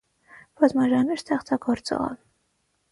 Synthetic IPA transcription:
b̥ɑzmɑʒɑnɛɾst̪ɛχt͡sɑɡɔɾt͡sɔ̰ʁɑ̰l

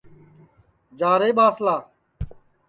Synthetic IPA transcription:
d͡ʒaːɾeːɓaːslaː

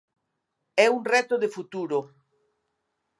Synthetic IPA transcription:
ɛuŋrɛt̪oðefut̪uɾo

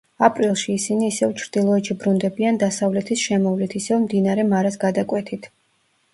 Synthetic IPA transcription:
apʼɾilˠʃiːsiniːsɛvt͡ʃʰɾd̪̥ilˠɔɛt̪ʃibɾund̪ɛbiand̪asavlɛt̪ʰisʃɛmɔvlit̪ʰisɛvmd̪inaɾɛmaɾasɡad̪akʼwɛt̪ʰit̪ʰ

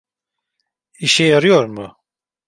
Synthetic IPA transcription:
iʃɛjaɾijoɾmu

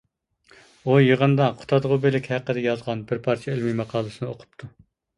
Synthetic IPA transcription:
ujəʁənd̪ɑqʰʊ̥t̪ʰɑd̪ʁʊbelɪkʲhæqːəd̪ɛjɑzʁɑnbɪɾpʰɑɾt͡ʃʰielmimɑqʰɑːlˠɨsɨnɨoqʰʊ̥p̚t̪ʰu

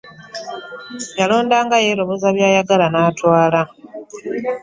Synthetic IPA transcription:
jalo̞ːndaːŋɡaje̞ːlo̞βo̞zaβjaːjaɡalanaːtwaːla

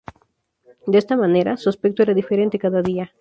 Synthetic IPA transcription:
d̪eest̪amãne̞ɾasuaspek̚t̪oeɾaðifeɾe̞nt̪ekaðaðia

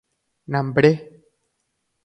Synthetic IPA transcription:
nambəɽe

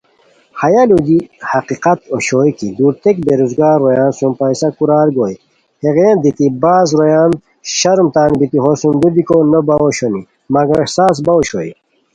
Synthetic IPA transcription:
hɐjalud̪ihɐqiqat̪oɕoːjkid̪uɾt̪ek̚beɾuzɡaːɾːojaːnsumpajsɐkuɾaːɾɡoj | heɣeːnd̪it̪ibaːzɾojaːn | ɕɐɾumt̪aːnbit̪iɦosumd̪ud̪ikonəbawoɕoni | mɐɡɐsaːs̬baoɕo̰i

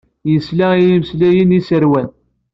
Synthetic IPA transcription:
jəslæijimslæjənisəɾwæn

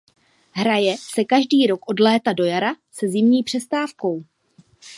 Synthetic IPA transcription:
ɦɾajɛsɛkaʒdiːɾo̞kʔo̞dlɛːt̪ado̞jaɾasɛzɪmɲiːpr̥ɛst̪aːfko̞w

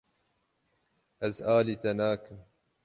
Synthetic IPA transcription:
ɐzaːlit̪ɐnaːkɨ

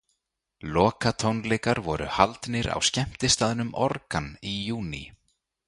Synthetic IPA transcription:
lɔːkat̪ʰownlɛjkaɾvɔɾʏ̰halt̪nɪɾa̰wscɛm̥t̪ɪst̪aːðnʏmɔɾkanijuːnḭ

